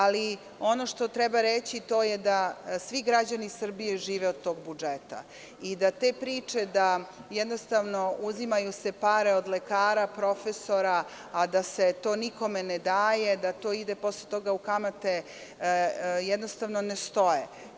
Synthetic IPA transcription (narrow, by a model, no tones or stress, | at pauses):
ali | o̞no̞ʃt̪o̞t̪ɾɛbaɾet͡ɕit̪o̞ːjed̪asʋiɡɾad͡ʑanisr̩bijeʒiːʋeod̪̚t̪ːo̞ːɡbud͡ʒet̪a̰ | id̪at̪e̞ːpɾiːt͡ʂe̞d̪ajɛd̪nost̪aʋno̞uzimajusepaːɾe̞od̪lekaːɾapɾo̞feso̞ɾaː | d̪aset̪o̞ːniko̞mened̪aːje̞d̪at̪o̞ːid̪epo̞slet̪o̞ɡaukamat̪e | jɛd̪nost̪aʋnonest̪o̞je